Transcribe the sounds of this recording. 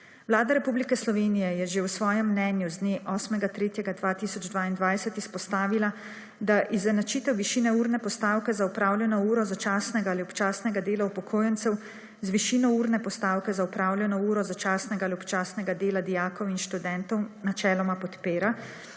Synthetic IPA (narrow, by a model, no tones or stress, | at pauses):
ʋlaːd̪aɾɛpublikɛslɔʋeːnijɛjɛʒewsʋɔːjɛmːnɛnjuzd̪neʔɔsmɛɡat̪ɾeːt̪jɛɡad̪ʋaːt̪iːsɔd͡ʒd̪ʋaːind̪ʋaːjsɛt̪ispɔst̪aːʋila | d̪aʔizɛnat͡ʃiːt̪ɛwʋiʃiːnɛuːɾnɛpɔst̪aːwkɛzaupɾaːwljɛnɔuːɾɔzat͡ʃaːsnɛɡaːliɔpt͡ʃaːsnɛɡad̪eːlaupɔkʰoːjɛnt̪sɛw | zʋiʃiːnɔuːɾnɛpɔst̪aːwkɛzaupɾaːwlʲjɛnɔuːɾɔzat͡ʃaːsnɛɡaːliɔpt͡ʃaːsnɛɡad̪eːlad̪ijaːkɔwinʃt̪ud̪ɛnt̪ɔwnat͡ʃɛːlɔmapɔt̪peːɾa